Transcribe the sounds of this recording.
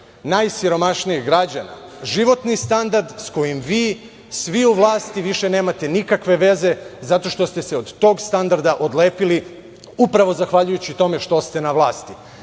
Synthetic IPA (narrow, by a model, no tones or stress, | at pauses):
najsiɾo̞maʃniiɣɡɾad͡ʑana̰ʒiʋo̞t̪nist̪and̪aɾd̪sko̞jimʋiː | sʋiuʋlˠaːst̪iʋiʃe̞ne̞ːmat̪e̞nikakʋe̞ʋe̞ze̞zat̪o̞ʃt̪o̞st̪e̞se̞o̞d̪t̪o̞ːɡst̪and̪aɾd̪aʔo̞d̪leːpili | upɾaʋo̞zaxʋaʎujut͡ɕit̪o̞me̞ʃt̪o̞st̪e̞naʋlˠaːst̪i